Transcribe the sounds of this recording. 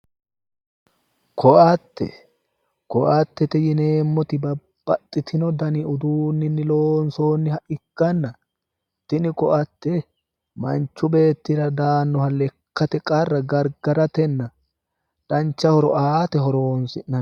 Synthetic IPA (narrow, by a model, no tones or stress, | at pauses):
kʰɔʔɐt̪ːɛ̰ | kɔʔɐt̪ːɛt̪ɛjɪneːmːɔt̪ɪbɐb̥ːɐt̪ʼːɪt̪ɪnɔd̪ɐniʊd̪uːnːɪnːɪloːnsoːnːɪhɐʔɪkːɐnːɐ | t̪ɪnɪkɔʔɐt̪ːɛ | mɐnt͡ʃːʊbe̞ːt̪ːɪɾɐd̪aːnːɔhɐlːɛkːɐt̪ɛkʼɐrːɐɡɐɾɡɐɾɐt̪ɛnːɐ | ᶑɐnt͡ʃːɐhɔɾɔʔaːt̪ɛɦɔɾoːnsɪnːɐn